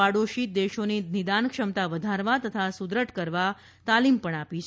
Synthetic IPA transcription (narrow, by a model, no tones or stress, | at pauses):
aɽoʃid̪eʃoninid̪ankʃəmt̪aʋəd̪ʱaɾʋat̪ət̪ʰasud̪ɾəʈkəɾʋa | t̪alimpəɳapit͡ʃʰ